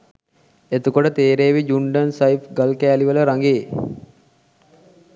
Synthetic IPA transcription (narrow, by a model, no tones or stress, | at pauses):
et̪ukoʈət̪eːɾeːʋid͡ʒuɳɖənsajfɡəlkæːliʋələɾaŋɡeː